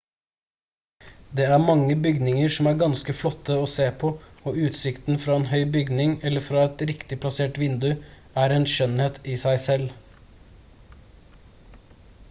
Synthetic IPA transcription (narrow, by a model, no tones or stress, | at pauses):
d̪eːæːmɑŋəbʏɡnɪŋəɾsmæːɾɡɑnskəflɔt̪ʰːəoːseːpʰoːoːʉːt̪sɪkt̪n̩fɾɑːeːnhœʏbʏɡnɪŋɛləfɾɑːɛt̪ɾɪkt̪ɪpʰlɑseːʈʋɪnd̪ʉ | æːɾeːnʃœnheːt̪iːsæɪsɛl